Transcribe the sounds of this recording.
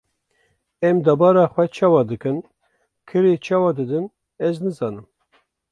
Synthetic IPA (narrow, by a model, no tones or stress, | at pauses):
ɛmd̪ɑbɑːɾɑːxwɛt͡ʃʰɑːwɑːd̪ɨkɨn | kʰɨɾet͡ʃʰɑːwɑːd̪ɨd̪ɨn | ɛznɨzɑːnɨm